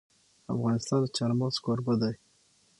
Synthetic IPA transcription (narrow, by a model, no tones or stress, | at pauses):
a̰fɣɑnɪst̪ɑnd̪ət͡ʃɑɾmɑʁskoɾbəd̪aj